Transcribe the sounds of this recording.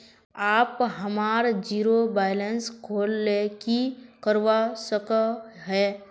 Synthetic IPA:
aːpɦəmaːɾd͡ʒiːɾobaːɪlənskʰoːlːekikəɾʋasəkəɦɛː

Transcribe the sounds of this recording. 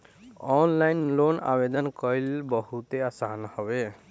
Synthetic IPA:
ɔnlajnlona̰bed̪ɔnkɔilbɔɦut̪easanhɔbe

